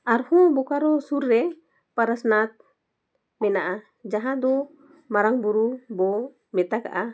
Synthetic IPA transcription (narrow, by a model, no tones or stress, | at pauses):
aɾhɔbɔkaɾɔsurːɛ | paɾasnat̪̚ | mɛnaʔa | d͡ʒaɦad̪ɔ | maɾaŋbuɾubɔ | mɛt̪aka̰ʔa